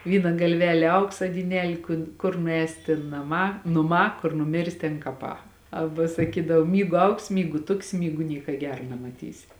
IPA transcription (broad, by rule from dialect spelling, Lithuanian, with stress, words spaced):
ˈʋʲiːnɐ ɡɐlʲˈʋʲæːlʲeː ˈɐʊksɐ dʲiːˈnʲæːlʲeː kʊn ˈkʊr nʊˈɛːsʲɪ tʲeːn nɐˈmɑː nʊˈmɑː kʊr nʊˈmʲɪrʲsʲɪ tʲeːn kɐˈpɑː ˈɑːbɐ sɐˈkʲiːdɐw ˈmʲiːɡʊ ˈɐʊksʲɪ ˈmʲiːɡʊ ˈtʊksʲɪ ˈmʲiːɡʊ ˈnʲiɛkɐ ˈɡʲæːrɐ nʲɛmɐˈtʲiːsʲɪ